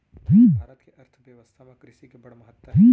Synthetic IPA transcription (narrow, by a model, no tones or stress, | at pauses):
ɦʰiaːɾət̪keʔɐɾt̪ʰʋjɐʋəst̪ʰamãkɾɪʃikebɐɽmɐɦət̪ːəĩ